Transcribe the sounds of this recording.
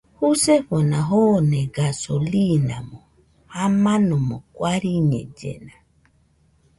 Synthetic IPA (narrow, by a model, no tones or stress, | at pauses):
huseɸonaɦonɛɡasolinamo | hamanɔmɔkwaɾiɲɛ̰d͡ʒḛna